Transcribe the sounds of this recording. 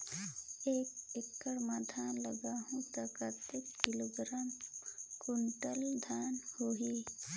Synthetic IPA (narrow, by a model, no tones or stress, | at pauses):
eːkɪkːəɽmad̪ʱʰaːnləɡaːɦũt̪akaːt̪ɪkːɪloːɡɾaːmkʊɳʈəld̪ʱaːnhoɦi